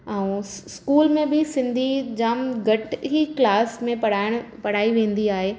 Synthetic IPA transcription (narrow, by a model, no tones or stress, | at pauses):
ɛ̃ũskuːlmẽbɪsɪ̃nd̪ʱid͡ʑaːmɡʱɐʈɦiklaːsmẽpɽ̤aːɪɽ̃pɐɽ̤aːiʋẽːnd̪iaːɦeː